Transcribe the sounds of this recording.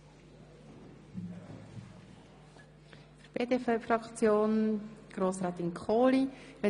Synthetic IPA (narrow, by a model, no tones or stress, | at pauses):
fɾb̥eːdefɛfɾɑkt͡sjoːnɡ̥ɾoːsɾaːt̪ɪnkʰχoːlivɛ